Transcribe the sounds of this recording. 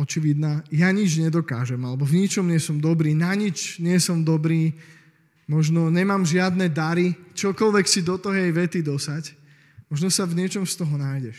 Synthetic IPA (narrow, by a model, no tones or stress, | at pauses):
ɔt͡ʃiʋid̪naːjaɲid͡ʒɲɛd̪ɔka̰ːʒɛmalɛbɔvɲit͡ʃɔmɲɪɛsɔmd̪ɔbɾiːnaɲit͡ʃɲɪɛsɔmd̪ɔbɾiː | mɔʒnɔɲɛmaːmʒɪad̪nɛd̪aɾit͡ʃɔkɔlʋɛksid̪ɔt̪ɔɦɛjʋɛt̪id̪ɔsac | mɔʒnɔsavɲɪɛt͡ʃɔmst̪ɔɦɔnajɟɛʃ